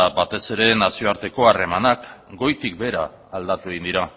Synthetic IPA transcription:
abat̪e̞se̞ɾe̞nasio̞aɾt̪e̞ko̞are̞manakɡo̞jt̪ik̚be̞ɾaː | ld̪at̪ue̞ɣind̪iɾa

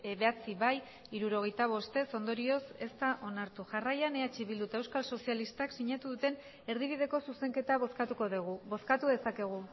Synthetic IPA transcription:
βe̞at͡siβaj | iɾuɾo̞ɣ̞e̞jt̪aβ̞o̞st̪e̞so̞nd̪o̞ɾio̞se̞st̪aʔo̞naɾt̪uʝarajane̞at͡ʃiβild̪ut̪aewskalso̞sialist̪aksiɲat̪uðut̪e̞n | e̞ɾðiβ̞iðe̞ko̞suse̞ŋke̞t̪aβoskat̪uko̞ðeɣubo̞skat̪uðe̞sake̞ɣ̞u

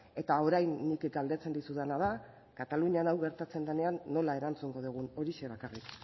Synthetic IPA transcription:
e̞t̪ao̞ɾajnːikɡald̪e̞t͡se̞nd̪isuðanað̞a | kat̪aluɲanawɣe̞ɾt̪at͡se̞nd̪ene̞anːo̞lae̞ɾant͡suŋɡo̞ð̞uɣ̞uno̞ɾiʃeβakarik

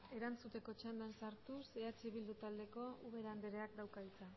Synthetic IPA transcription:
e̞ɾant͡sut̪e̞ko̞t͡ʃand̪ansaɾt̪useat͡ʃeβild̪ut̪ald̪e̞ko̞uβe̞ɾand̪eɾeakd̪awkait͡sa

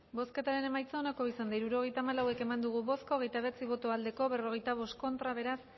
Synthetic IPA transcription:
bo̞ske̞t̪aɾe̞ne̞majt͡saonako̞isand̪aiɾuɾo̞ɣ̞e̞jt̪aːmalawe̞ke̞mand̪uɣ̞uβo̞sko̞ɣ̞e̞jt̪aβe̞t͡siβo̞t̪oald̪e̞ko̞βe̞ro̞ɣ̞e̞jt̪aβ̞o̞st̪ko̞nt̪ɾaβ̞e̞ɾas

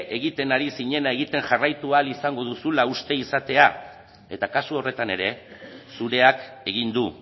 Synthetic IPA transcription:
ʔe̞ɣit̪e̞naɾisiɲe̞nae̞ɣ̞it̪e̞ŋʝarajt̪ualisaŋɡo̞ðusulaust̪e̞isat̪e̞a | e̞t̪akasuo̞re̞t̪ane̞ɾe̞suɾe̞ake̞ɣ̞ind̪u

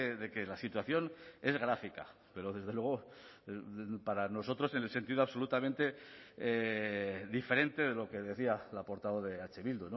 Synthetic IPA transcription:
eðe̞ke̞lasit̪waθjo̞ne̞zɣɾafika̰ | pe̞ɾo̞ðe̞zð̞e̞lwe̞ɣ̞o | paɾano̞so̞t̪ɾo̞se̞nelse̞nt̪iðoaβso̞lut̪amẽnt̪e̞ | ðife̞ɾe̞nt̪e̞ð̞e̞lo̞ke̞ðe̞θialapo̞ɾt̪aβo̞ðe̞at͡ʃe̞βild̪ono

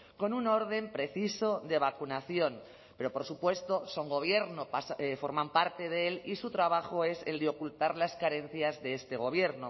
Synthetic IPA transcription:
ko̞nuno̞ɾð̞e̞mpɾe̞θiso̞ðe̞β̞akunaθjo̞n | pe̞ɾo̞po̞ɾsupwe̞st̪o̞so̞ŋɡo̞β̞je̞ɾnopasefo̞ɾmãmpaɾt̪e̞ð̞eelisut̪ɾaβ̞axoe̞se̞ld̪eokult̪aɾlaskaɾe̞n̟θjazðe̞est̪e̞ɣ̞o̞β̞je̞ɾno

